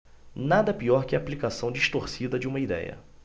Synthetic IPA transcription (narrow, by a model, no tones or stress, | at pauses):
nad̪ɐpiɔɾkɪɐːplikasɐ̃w̃d͡ʒiʃt̪oɾsid̪ɐd͡ʒɪũmɐid̪ɛ̰jɐ̰